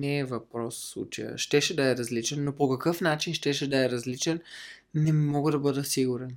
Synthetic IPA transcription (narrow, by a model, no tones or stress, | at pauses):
nɛːvɐpɾɔsfslˠṵt͡ʃəjə̰ʃt̪ɛʃɛd̪ɐɛɾɐzlit͡ʃɛnːopokɐkɤfnat͡ʃinʃt̪ɛʃɛd̪ɐɛɾɐzlit͡ʃɛn | nɛmɔɡəd̪ɐbɤd̪əsiɡʊɾɛn